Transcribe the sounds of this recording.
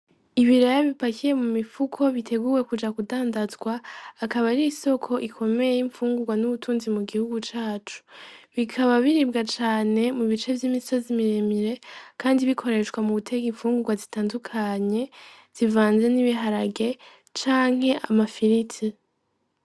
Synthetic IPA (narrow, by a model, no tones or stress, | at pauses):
iβiɾajaβipakije̞mumifukʰo̞βitʰe̞ɡuːwe̞kud͡ʒakudaːndazɡwaːkaβaɾiːso̞kʰo̞ʔikʰo̞me̞jeiɱfuːŋɡuɡwanuβutʰuːnzimuɡihuɡut͡ʃaːt͡ʃu̥βikʰaβaβiɾibɡat͡ʃaːne̞muβit͡ʃe̞vjimisozimiɾemiɾe̞kʰaːndiβikʰo̞ɾe̞t͡ʃkwamuβutʰe̞ɡiɱfuːŋɡuɡwazitaːndukʰaɲe̞ | z̥ivaːnze̞niβiɦaɾaɡe̞ | t͡ʃaːŋ̥he̞ʔamafiɾitʰi